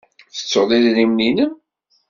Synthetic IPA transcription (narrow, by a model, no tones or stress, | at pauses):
θə̥t͡sːoðˤiðlimninəm